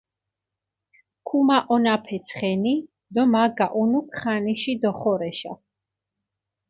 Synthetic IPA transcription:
kʰumaʔɔnapʰɛt̪sʰχɛni | d̪ɔmaɡaʔunukʰχaniʃid̪ɔχɔɾɛʃa̰

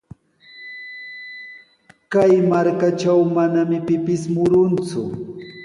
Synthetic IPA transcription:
kajmaɾkat͡ʃawmanamɪpɪpɪsmʊɾʊnt͡sʊ̰

